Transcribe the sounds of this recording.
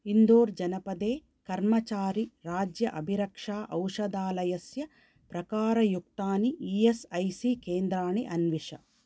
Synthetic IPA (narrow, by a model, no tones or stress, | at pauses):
ind̪oːɾd͡ʒɐnɐpɐd̪eː | kɐɾmɐt͡ʃaːɾiɾaːd͡ʒjɐʔɐbʱiɾɐkʂaːʔɐwʂɐd̪aːlɐjɐsjɐ | pɾɐkaːɾɐjuk̚t̪aːniiesɐjsiːkeːnd̪ɾaːniʔɐnʋiʂɐ̰